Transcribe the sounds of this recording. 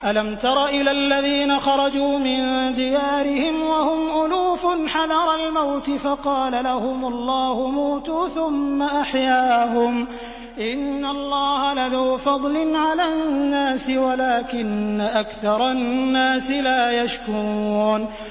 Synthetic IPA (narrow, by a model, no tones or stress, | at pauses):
ʔalamt̪ɑɾˤɑʔɪlalːaðiːnaxɑɾˤɑd͡ʒuːmɪnd̪ɪjaːɾɪhɪmwahʊmʔʊluːfʊnħadɑɾˤɑlmawt̪ɪfɑqɑːlalahʊmʊlˤːɑːhʊmuːt̪uːθʊmːaʔaħjaːhʊm | ʔɪnːalˤːɑːhalaðaːfɑd̪ˤlɪnʕalaːnnnːaːsɪwalaːkɪnːaʔakθɑɾˤɑːaːsɪlaːjaʃkuuːn